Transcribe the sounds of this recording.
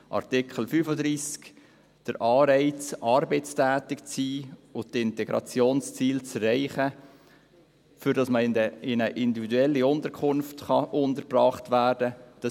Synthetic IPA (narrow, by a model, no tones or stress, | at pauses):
ʔɑ̰rtɪkχəl̩fyfəd̪ɾiːsk | d̥əɾʔɑːɾɛɪt͡sɑɾbɛɪt͡stæːtɪkt͡siːʊtɪntɛɡɾɑ̰t͡sjoːnst͡siːlt͡sɛrːɛɪχə | fʏɾdɑsməɪəɪnəʔɪndividuɛlːiʊntəɾkʰχʊnftχɑʔʊndəɾprɑːχtvʋæːrd̥əd̥ɑ